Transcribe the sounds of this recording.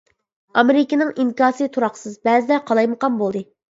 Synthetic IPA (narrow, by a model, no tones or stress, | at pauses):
ɑmeɾɪkʲinɪŋiŋkʲɑːsɨt̪ʰuɾɑqsɨzbɛzɪd̪ɛqʰɑlˠɑjməqɑnbolˠd̪ɨ